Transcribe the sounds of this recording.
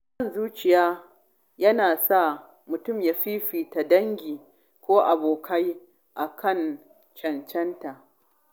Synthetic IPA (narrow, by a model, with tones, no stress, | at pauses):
bɐ˦˨nzuː˦t͡ʃɪ˨jaː˦ | jɐ˦naː˨sa˦˨ | mʊ˨tʊ˦˨mjaː˦ɸiː˦ɸiː˨ta˨dɐ˦ŋɡʲiː˨ | kʷoː˦ʔa˨boː˨kʰa˦j | ʔa˨kʰɐ˦˨n | t͡ʃɐ˨nt͡ʃɛ˦nta˨ʔ